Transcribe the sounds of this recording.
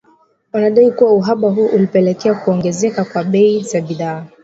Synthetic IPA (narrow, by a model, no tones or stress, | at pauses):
wanaɗaikuwauɦaɓaɦuɔʔulipɛlɛkɛakuɔŋɡɛzɛkakwaɓɛizaɓiðaː